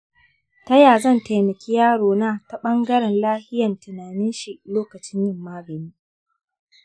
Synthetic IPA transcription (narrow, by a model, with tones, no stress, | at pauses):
tɐ˦jaː˨zɐ˦˨nta˨jmɐ˨kʲi˦jaː˦ɽoː˨naː˦ta˦ɓɐ˦ŋɡɐ˦ɽɛ˨nlaː˦hɪ˦jɐ˨ntɪ˨naː˨nɪ˦nʃi˨ʔloː˦kɐ˨t͡ʃɪ˦ɲjɪ˦mːaː˦ɡɐ˨niː˦